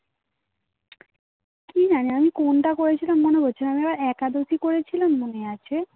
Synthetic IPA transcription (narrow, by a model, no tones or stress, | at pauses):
kid͡ʑaniamikonʈakoɾet͡ɕʰilamːoneboɾt͡ɕʰeaamiɛbaɾɛkad̪osikoɾet͡ɕʰilamːoneat͡ɕʰe